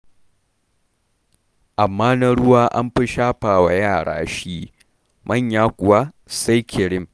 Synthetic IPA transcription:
ʔa˨mːaː˦nɐ˦ɽʊ˦waː˦ʔa̰˦mɸɪ˦ʃaː˦ɸaː˨wa˨jaː˦˨ɽa̰ː˦ʃiː˦ | mʔɐ˦˨ɲjaː˦kʷʼʊ˨waː˦ | sa˦jkʰʲɪ˨ɽɪ˦m

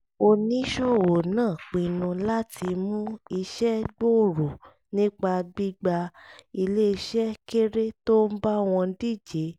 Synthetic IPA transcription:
o˧nĩ˦ʃo˦˨wo˨nãː˦˨k͡pĩ˧nũ˧la˦ti˧mũ˦i˧ʃɛ˦ɡ͡bo˦˨ɾo˨ | nĩ˦k͡pa˧ɡ͡bi˦ɡ͡ba˧i˧le˦i˧ʃɛ˦ke˦ɾe˦to˦m̩˦ba˦w̃ɔ̃˧˦di˦˨d͡ʒe˨˦

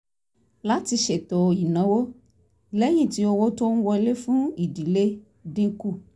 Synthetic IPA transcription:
la˦ti˧ʃe˨to˨i˨nã˨˦wo˦˨ | lɛ˦ɲ̃ĩ˦˨ti˦o˧wo˦to˦ñ̩˦wɔ˧˦le˦fũ˦i˨di˨le˦ | dĩ˦ku˦˨

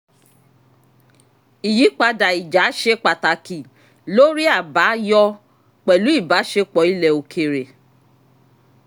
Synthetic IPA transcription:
i˨ji˨˦k͡pa˧da˨i˨d͡ʒa˨˦ʃe˧k͡pa˨ta˨ki˨ | lo˦ɾi˦a˦˨ba˨˦jɔ˦ | k͡pɛ˨lu˨˦i˦˨ba˨˦ʃe˧k͡pɔ˨˦i˦lɛ˧o˧kʰe˨ɾe˨

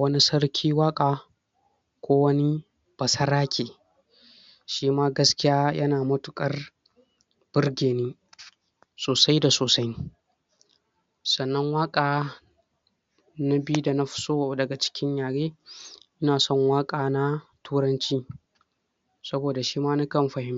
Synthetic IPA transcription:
wɐ˦ni˦sɐ˦rkʲʰiː˦waː˦kʼaː˨ | kʷoː˦wɐ˦ni˦ | b̥ɐ˨sɐ˦ɾaː˦kʲeː˨ | ʃiː˦maː˦ɡɐ˦skʲɪ˦jaː˦jʔɐ̰˦naː˨mɐ˦tʊ˨kʼɐ˦r | b̥ɪ˦rɡʲeː˨niː˦ | soː˨sa˦jda˨soː˨sa˦j | sɐ˨nːɐ˦ŋwaː˦kʼaː˨ | na˦bi˦u˦da˨na˦ɸʊ̥˦soː˦˨dɐ˨ɡa˨t͡ʃɪ̥˦kʲʰɪ˦ɲjaː˨ɽeː˦ʔɪ˦naː˨sɔ˦˨ŋwaː˦kʼaː˨na˦tʰuː˦ɽɐ˦nt͡ʃiː˦ | sɐ˦boː˨da˨ʃiː˦maː˦nu˦kɐ˦˨mɸɐ˨hɪ˦m˦

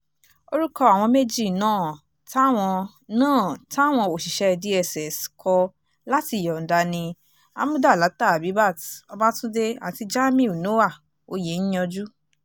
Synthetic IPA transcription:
o˧ɾu˦kɔ˧a˨w̃ɔ̃˧me˦d͡ʒi˦˨nãː˦˨ | ta˦˨w̃ɔ̃˧ | nãː˦˨ta˦˨w̃ɔ̃˧o˨ʃi˨ʃɛ˧˨di˨˦ɛ˦˨sɛ˨skʰɔ˧ | la˦ti˧˨jɔ˨n̩˨da˨˧nĩ˧ | a̰˧˦mũ˦da˦˨la˨˦ta˦˨a˨bi˨˦ba˦˨tɔ˧ba˦tũ˦de˧a˨ti˧d͡ʒa˦mĩ˦˨u˨no˦wa˦˨ | o˧je˨˦n̩˦jɔ̃˧d͡ʒu˦

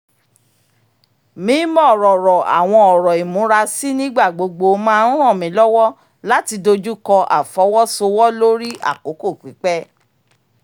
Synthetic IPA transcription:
mĩ˨˦mɔ̃˦˨ɾɔ˨ɾɔ˨a̰˨w̃ɔ̃˧ɔ˨ɾɔ˨i˨mũ˨˦ɾa˧si˦nĩ˦ɡ͡ba˦˨ɡ͡bo˨˧ɡ͡bo˧mãː˦ũ˦ɾ̃ɔ̃˦˨mĩ˨˦lɔ˦wɔ˦ | la˦ti˧do˧d͡ʒu˦kɔ̃˧ʔa̰˨fɔ˨˦wɔ˦so˧wɔ˦lo˦ɾi˦ʔa̰˦˨ko˨˦ko˦˨k͡pi˨˦k͡pɛ˦

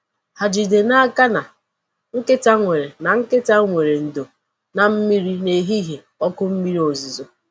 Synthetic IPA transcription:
ha˨d͡ʒi˨de˨na˦a˦ka˦na˨ | ŋ̩˦kɪ˦ta˦ŋʷe˨ɾe˨na˨ŋ̩˦kɪ˦ta˦ŋʷe˨ɾe˨n̩˨do˨ | na˨m̩˦mi˦ɾi˦ne˨ɦi˦ɦe˨ | ɔ˦kʊ˦m̩˦mi˦ɾi˦o˨zi˨zo˨

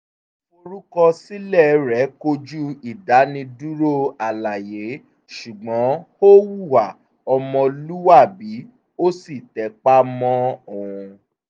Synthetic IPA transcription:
o˧ɾu˦kɔ˧si˦lɛ˦˨ɾɛ˨˦ko˧d͡ʒu˦i˨da˨˦nĩ˧du˦ɾo˦a˨la˨je˨˦ | ʃu˨ɡ͡bɔ̃˨˦ho˦wu˦˨wa˨ | ɔ˧mɔ̃˧lu˦wa˦˨bi˨˦ | o˦si˦˨tɛ˨˦k͡pa˦mɔ̃˦o˨ũ˧

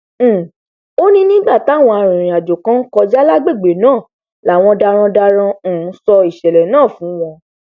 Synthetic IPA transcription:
o˦nĩ˦nĩ˦ɡ͡ba˦˨ta˨˦˨w̃ɔ̃˧a˧ɾ̃ĩ˨ɾ̃ĩ˨a˨d͡ʒo˨kã˦n̩˦kɔ˧d͡ʒa˦la˦ɡ͡be˦˨ɡ͡be˨nãː˦˨ | la˨w̃ɔ̃˧da˧ɾ̃ã˧da˧ɾ̃ã˧˨˦sɔ˧i˨ʃɛ˨lɛ˨nãː˦˨fũ˨˦w̃ɔ̃˧

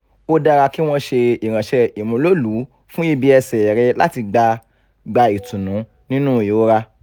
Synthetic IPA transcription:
o˦da˧ɾa˧ki˦w̃ɔ̃˦ʃe˧i˨ɾ̃ã˨ʃɛ˧i˨mũ˧˦lo˦˨lu˨˦ | fũ˦i˦˧bi˦ɛ˧sɛ˨ɾɛ˧la̰˦ti˧ɡ͡ba˧ | ɡ͡ba˧i˨tũ˨nũ˨˦ | nĩ˦nũ˦˨jo˨˦ɾa˧

